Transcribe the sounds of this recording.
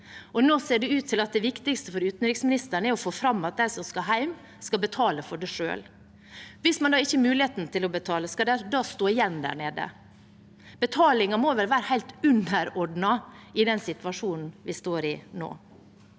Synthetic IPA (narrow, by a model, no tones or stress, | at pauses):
ɔnoːseːɖɛʉːt̪ʰːɪlɑt̪̚d̪ɛʋɪkt̪ɪkst̪əfɔɾʉːt̪n̩ɾɪksmɪnɪst̪əɳəɛɾɔfoːfɾɑmːɑt̪̚d̪æɪsɔmskɑɦæɪm | skɑlbət̪ʰɑːləfɔɖɛʂø̰ːl | ʋɪsmɑnd̪ɑːɪçːəmʉːlɪheːt̪nt̪ʰɪlɔbət̪ʰɑːləskɑd̪ɛd̪ɑːst̪oːɪjɛnːd̪æ̰ːɳeːd̪ə̰ | b̥ət̪ʰɑːlɪŋɑmoːʋɛlʋæːɾəhæɪlt̪ʉnəɾɔɖnɑɪd̪ɛnsɪt̪ʋɑʂuːnn̩ʋɪst̪oːɾɪno̰ː